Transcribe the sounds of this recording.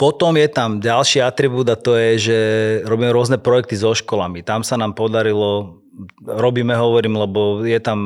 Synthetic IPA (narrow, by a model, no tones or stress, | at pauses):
pɔt̪ɔmjɛt̪amɟalʃiat̪ɾibuːd̪at̪ɔjɛʒɛɾɔbiːmɛɾʊɔznɛpɾɔjɛk̚t̪izɔʃkɔlamit̪amsanaːmpɔd̪aɾilɔ | ɾɔbiːmɛɦɔʋɔɾiːmlɛbɔjɛt̪am